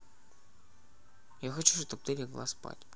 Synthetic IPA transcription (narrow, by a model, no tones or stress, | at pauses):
jaxɐt͡ɕuʂt̪ɐp̚t̪ɨɾʲɪɡlˠa̰spa̰tʲ